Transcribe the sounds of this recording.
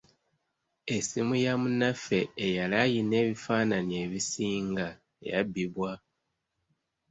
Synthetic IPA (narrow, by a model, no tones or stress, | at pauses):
esimujamunafe̞ːjalajine̞ːβifaːnanie̞βisiːŋɡa | ḛja̰biβwa